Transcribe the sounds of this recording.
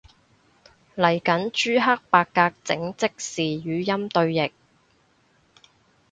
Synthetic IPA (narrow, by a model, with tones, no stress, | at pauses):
lɐ˨˩jkɐ˨˥nt͡ʃyː˥ɦɐ˥k̚paː˧kːaː˧k̚t͡sɪ̰˨˥ŋt͡sɪ˥k̚siː˨jyː˨˧jɐ˥mt̪ɵ˧ɥjɪ˨k̚